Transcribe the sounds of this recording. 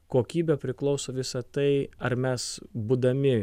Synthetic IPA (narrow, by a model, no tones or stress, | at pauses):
koːkʲiːbʲɛpʲɾʲɪklˠɒʊsoːʋʲɪsɐt̪ɐɪɐɾmʲɛsbuːd̪ɐmʲɪ